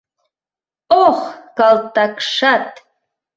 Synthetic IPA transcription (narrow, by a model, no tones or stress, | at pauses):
oχkɑlt̪ːɑkʂɑt̪